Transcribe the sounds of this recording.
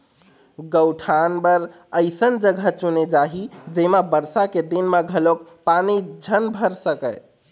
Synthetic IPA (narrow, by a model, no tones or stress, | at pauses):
ɡəwʈʰanbəɾ | əɪsənd͡ʒəɡʱət͡ʃuned͡ʒaɦid͡ʒemabəɾsaked̪inmaɡʱəlokpanid͡ʒʱənbʱəɾsəkəj